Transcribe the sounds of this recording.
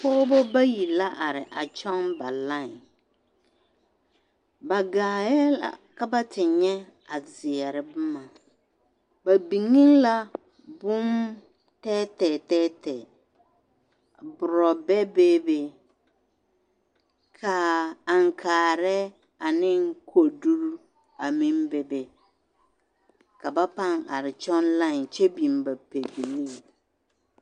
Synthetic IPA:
pɔː˦bo˦ba˦ji˨la˦ʔa˨ɾɪ˨ʔa˨t͡ʃɔ˦ŋba˨la˦˨ŋ˨ | ba˨ɡaː˨jɛ˦la̰˨ka˦ba˦tɪ˨ɲɛ˦a˨zɪ˨ɛ˨ɾɪ˨bʊ˦ma˨ | ba˨bi˨ŋɪ˦nla˦ | bʊ˦m | tɛː˦tɛ˨tɛ˦tɛ˨ | bʊ˨ɾɔ˨bɛ˦beː˦be˨ | kʰa˨a˨ŋ˨kʰaː˨ɾɛ˦ | a˨nɪ˦ŋ˦kʰo˨du˦ɾ | a˨mi˦mbe˨be˨ | ka˨ba˦pa˦ŋa̰˨ɾɪ˨t͡ʃɔ˦nla˦˨ŋ˨t͡ʃɛ˦bi˨mba˨pe˨bi˨li˦ŋ

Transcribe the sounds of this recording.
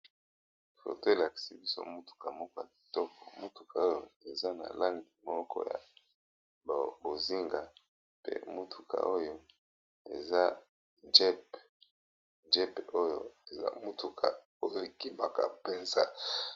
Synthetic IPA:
fo̰˨te˦˨la˨ki̥˨si˨bi˦so̰˦mu˦tu̥˨ka˨mɔ˦kɔ˦ja˨ki̥˨tɔ˦kɔ̥˨mu˦tu˨kʰa˨o˦jo˨e˨za˦na̰˨la˦ŋɡi˨mɔ˦kʰɔ̰˦ja̰˨ | bbo˨zi˦ŋɡa˨ | pḛ˦mu˦tʰu̥˨kʰa̰˨ʔo˦jo˦ | ḛ˨za˦ | d͡ʒɛ˦p | d͡ʒɛ˦po˦jo̰˨e˨za̰˦mu˦tu˨kʰa̰˨ | o˦jo˨ki˦ma˨ka̰˨pe˦˨nza˦

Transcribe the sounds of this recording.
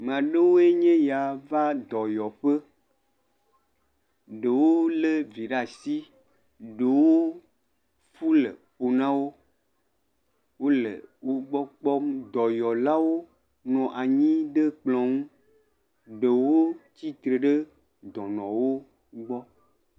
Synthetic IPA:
mã˨ɖe˦wo˦e˦ɲẽ˦ja˨va˦d̪ɔ˨jɔ˨ɸə˦ | ɖe˨wo˦le˦vi˨ɖa˦˨si˦ | ɖe˨wo˦ | fu˦lḛ˨po˨nã˦wo˦ | wo˦lḛ˨wo˦ɡ͡bɔ˦k͡pɔ˦m˦d̪ɔ˨jɔ˨la˦wo˦ | nɔ̃˨ʔa˨ɲĩ˦ɖe˦k͡plɔ̃˨ŋũ˦ | ɖe˨wo˦t͡ɕi˦t̪ɾe˨ɖe˦ | d̪ɔ̃˨nɔ̃˨wo˦ | ɡ͡bɔ˦

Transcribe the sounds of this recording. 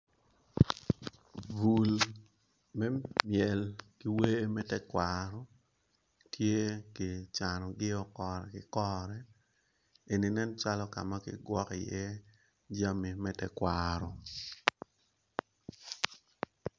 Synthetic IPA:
vu˨l | mɛ˦mjɛ˨lki˦we˦mɛ˦tɛ˦kwaɾɔ˨ | tje˦kɪ˨t͡ʃa˨nɔ˨ɡɪ˦ɔ˦kɔ˨ɾɛ˨kɪ˨kɔ˦ɾɛ˦ | e˨ni˨nɛ˦nt͡ʃa˦lɔ˦ka̰˨ma˦kɪ̰˦ɡwɔ˦kɪ˨jɛ˦ | d͡ʒa˦mi˨mɛ˦tɛ˦kwaɾɔ˨

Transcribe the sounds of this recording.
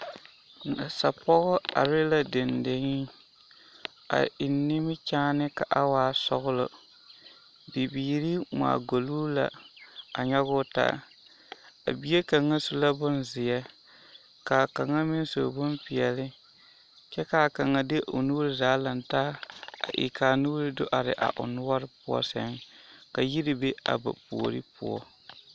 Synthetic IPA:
na˨sa˨pɔ˦ɣʊ˦a˨ɾɪ˦la˦dɪ˨ndɪ˨ŋɪ˦ | a̰˨ʔɪ˨nːɪ˦mɪ˦t͡ʃaː˦nɪ˦ka˨ʔa˦waː˨˦˨sʊ̰˦ɣʊ˦lʊ˨ | bi˨biː˨ɾi˦ma̰ː˨ɡo˨luː˦la̰˨a̰˨ɲɛ˦ɣʊ˦ta̰˦ | a̰˨bi˦e˦ka˨ŋːa˦su˦la˦bʊ˦nzɪ˨jɛ˦ | ka˨ka˨ŋa˦mɪ˦n˦so̰˨bʊ˦mpɪ˨jɛ˨lɪ˦ | t͡ʃɛ˦kaː˨ka˨ŋa˨de˦ʔo˨nuː˦ɾɪ˦zaː˨˦la˨ntaː˦a̰˨ʔḭ˨kaː˨nuː˦ɾɪ˦do˦ʔa˨ɾɪ̰˨ʔa̰˨ʔʊ̰˨nʊ˦a˦ɾɪ˦pʊ˦ɔ̰˦sɛ˦ŋka˨ji˦ɾi˦be˦a̰˨ba̰˨pu˨o˨ɾi˦pʊ̰˦ɔ̰˦

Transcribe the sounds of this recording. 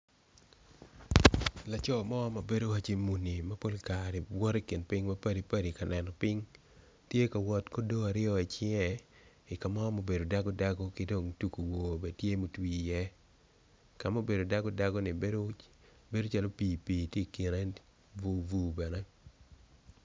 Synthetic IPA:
la˨t͡ʃɔ˦˨mɔ˦mɐ˨be˦do˦wa˦t͡ʃi˦mu˨ni˨mɐ˦po˦lka˨ɾɛ˨wɔ˦ɾi˦kɪ˨npɪ˦ŋmɐ˦pɐ˦di˨pɐ˦di˨ka˨nɛ˨nɔ˨pɪ˦ŋ | tje˦ka˨wɔ˨tko˦do˦a˨ɾɪɔ˦i˨t͡ʃɪ˦ɛ˨ | ɪ˨ka˨mɔ˦mo˨be˨do˨da˦ɡɔ˦da˦ɡo˦kɪ˦do˨ŋtu˨ko˨wo˨be˨tje˦mo˨twi˦˨jɛ˦ | ka˨mo˦be˨do˨da˦ɡo˦da˦ɡɔ˦nɪ˨be˦d | be˦do˦t͡ʃa˦lo˦piː˨piː˨tje˦˨kɪ˨ɾɛ˦ | vu˨vu˦bɛ˨nɛ˦

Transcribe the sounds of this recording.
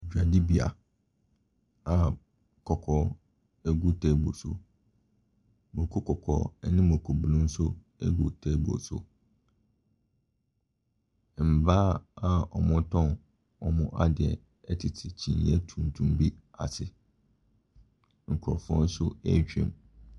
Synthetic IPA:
d͡ʑᶣa˨di˦bi˨a̰˨ | a˨ | kʰɔ˨kʰɔ˦ | ɛ˦ɡu˦tʰɛ˦˨bo˨so̰˦ | mõ˨kʰo˦kʰɔ˨kʰɔ̰˨˦nɪ̃˦mʊ̃˨kʰo˨bu˨lũ˦n̩˦sʊ˦ | ɛ̰˦ɡu˨tʰɛ˦bo̰˨sʊ̰˨ | m̩˨ba˦a˨ɔ˨mʊ̃˦tʰɔ̃˦n | ɔ˨mʊ̃˦ʔa˦dɪ˨ɛ̰˨ | ɛ˦tʰɪ˨tʰɪ˨t͡ɕʰĩ˨n˨jɛ˦tʰũ˨n˨tʰũ˨m˦bi˦a̰˨sɪ˨ | ŋ̩˨kʰʊ˨ɾɔ̰˨fʊ˦ɔ̰̃˦n̩˦sʊ˦ɛ˦t͡ɕᶣɛ̰̃˨m

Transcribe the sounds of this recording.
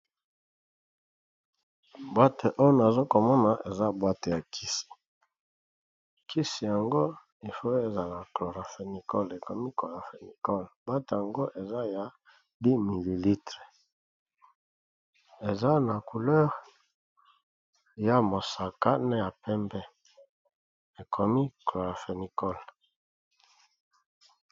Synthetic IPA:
bwa˦te˨ʔo˦jo˦na˨zo˦ko˨mɔ˦na˨ʔe˨za˦bwa˦te˨ja˨kʰi˦si̥˨ | kʰi˦si˨ja˨ŋɡo˦ | i˨fo˦e˨za˨la˨klo˨ʁa˨fe˨ni˨kɔ˦le˨ko˨mi˦ko˨la˨fe˨ni˨kɔ˦lb̥wa˦te˨ja˨ŋɡo˦ʔe˨za˦ja˨ | bi˦mi˨li˨li˦tʁe˨ | e˨za˦na˨ku˨lɛ˦ʁ | ja˦mo˨sa˨ka˦nɛ˦ja˨pɛ˦mbɛ˦ | e˨kʰo˨mi˦klo˨ʁa˨fe˨ni˨kɔ˦l

